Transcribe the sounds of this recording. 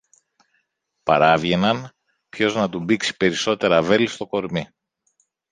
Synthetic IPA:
pɐ̰ɾɐvʝe̞nɐn | pço̞znɐt̪ubiksi̥pe̞ɾiso̞t̪e̞ɾɐve̞list̪o̞ko̞ɾmi

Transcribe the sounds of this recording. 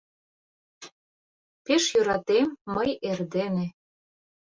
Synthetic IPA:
peʃjøɾɑt̪emːəjerd̪enĕ

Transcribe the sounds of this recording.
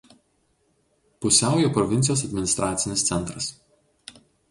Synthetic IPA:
pʊsʲæˑʊjoːpɾɔʋʲɪnʲt̪ʲɪjoːsɐd̪ʲmʲɪnʲɪst̪ɾʔɑːt̪sʲɪnʲɪst̪sʲɛnˑt̪ɾɐs

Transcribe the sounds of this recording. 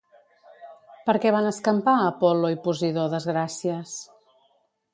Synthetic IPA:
pəɾkɛβanəskəmpaəpɔloipuziðoðəzɣɾasiəs

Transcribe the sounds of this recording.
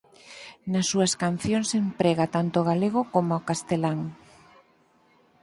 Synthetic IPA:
nasːuaskan̟θjoŋsempɾeɣat̪ant̪oɣ̞aleɣ̞okomoaokast̪elaŋ

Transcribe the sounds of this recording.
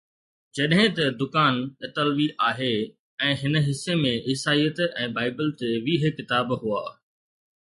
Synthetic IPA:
d͡ʑɐɗɦɪ̃t̪ɐd̪ʊkaːnɪt̪əlʋiʔaːɦe | ɛ̃ːɦɪnə̆ɦɪsːemẽʔɪsaːijət̪ɛ̃ːbaːɪbəlt̪eʋiːɦɪkːɪt̪aːbɦuaː

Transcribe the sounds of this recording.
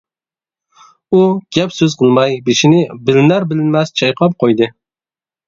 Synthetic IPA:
uɡ̥ʲɛpsøz̥qʰəlˠmɑjbeʃinɪbɪlɪnæɾbɪlɪnmɛst͡ʃʰɑjqʰɑp̚qʰojd̪ɨ

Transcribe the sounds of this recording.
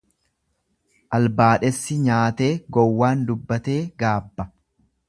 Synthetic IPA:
ʔɐlbaːᶑɛsːɪɲaːt̪e̞ːɡɔwːaːnd̪ʊbːɐt̪e̞ːɡaːbːɐ

